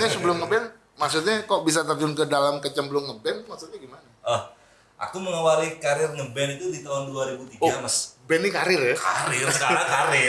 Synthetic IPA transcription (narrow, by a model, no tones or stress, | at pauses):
ɲasəbəlʊmŋəbɛn | maksut̪̚ɲakoʔbis̬at̪ərd͡ʒʊnkədalamkət͡ʃəmbəlʊŋŋəbɛnmaksut̪ɲaɡimanaəh | ʔa̰kuməŋawalikaɾɪrŋəbɛnit̪udit̪aɦʊnduaɾibut̪iɡoamasbɛnːikaɾɪrəka̰ɾɪralakaɾɪ